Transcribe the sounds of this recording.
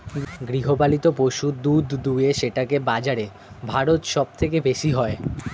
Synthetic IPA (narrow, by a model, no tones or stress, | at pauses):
ɡɾiɦobalit̪opoʃud̪ud̪ʱd̪ueʃeʈakebad͡ʑaɾe | bʱaɾot̪ʃɔb̚t̪ʰekebeʃiɦɔe